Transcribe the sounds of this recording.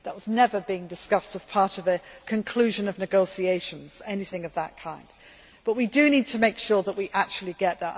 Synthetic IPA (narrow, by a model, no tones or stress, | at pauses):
ðəʔ̚wʌznɛvə˞biɪ̃ŋdɨskʌstəz̥pʰɑɹɾʌvɨkʰɨ̃nkʰl̥ʉʒɨ̃nʌvnɨɡoʊsieɪʃə̃nz̥ɛnɪθɪ̃ŋʌvðə̰ʔ̚kʰãɪ̃nd | b̥ʌʔ̚widɨnid̚tʰəmeɪkʃɔɹðəʔwiʔak̚t͡ʃul̩ˠiɡɛʔ̪̚ðə